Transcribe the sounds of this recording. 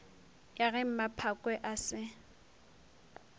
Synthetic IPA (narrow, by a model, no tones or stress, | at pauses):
jaɣɛm̩mapʰakʼwɛʔasɪ